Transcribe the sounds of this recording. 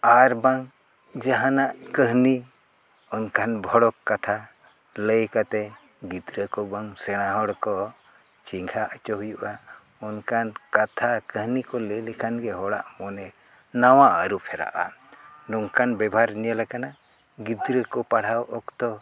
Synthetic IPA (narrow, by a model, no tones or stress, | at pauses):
aɾbaŋ | d͡ʒaɦanaʔkəɦni | ɔnkʰanbʱɔɽɔkːat̪ʰa | ləjkat̪ɛ | ɡid̪ɾəkɔbaŋsɛɽ̃aɦɔɽkɔ | t͡ʃiŋɡʱaʔət͡ʃɔɦujuʔa | ɔnkankat̪ʰakəɦnikɔləlɛkʰanɡɛɦɔɽa̰ʔmɔnɛ | nawaʔəɾupʰɛɾa̰ʔa̰nɔŋkanbɛbʱaɾnijalakana | ɡid̪ɾəkɔpaɽ̤awɔkt̪ɔ